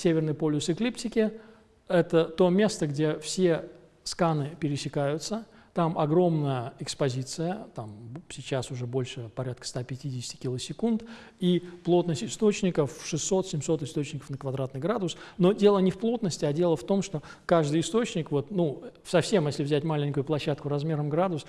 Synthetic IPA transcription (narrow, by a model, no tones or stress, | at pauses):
sʲevʲɪrnɨjpolʲʊsɪklʲiptʲɪkʲɪ | ɛt̪ət̪o̞mʲe̞st̪əɡdʲe̞fsʲe̞ | skanɨpʲɪɾʲɪsʲɪkajʊt̪sə | t̪amɐɡɾo̞mnəjəɪkspɐzʲit̪sɨjət̪amsʲɪt͡ɕasʊʐɛbo̞lʲʂɨpɐɾʲat̪̚kə̥st̪apʲɪtʲidʲɪsʲtʲɪ̥kʲilˠəsʲɪkunt̪ | iplˠo̞t̪nəsʲtʲɪst̪o̞t͡ɕnʲɪkəfʂɨsːo̞t̪sʲɪmʲso̞t̪ɨst̪o̞t͡ɕnʲɪkə̥fnəkvɐd̪ɾat̪nɨjɡɾad̪ʊsno̞dʲe̞lˠənʲɪfplˠo̞t̪nəsʲtʲɪadʲe̞lˠəft̪o̞mʂt̪o̞kaʐd̪ɨjɪst̪o̞t͡ɕnʲɪkvo̞t̪nufsɐfsʲe̞mjesʲlʲɪvzʲætʲmalʲɪnʲkʊjʊplˠɐɕːat̪kʊɾɐzmʲe̞ɾəmɡɾad̪ʊs